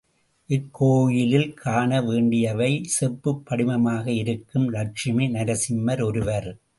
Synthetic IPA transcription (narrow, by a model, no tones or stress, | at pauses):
ʔɪkːoːjɪlɪlkʰaːɳɐʋeːɳɖɪjɐʋɐɪsɛrpːɯpːɐɽɪmɐmaːɣɐɪɾɯkːɯmlɐʈ̚t͡ʃɪmɐnɐɾɐsɪmːɐɾɔɾɯʋɐɾ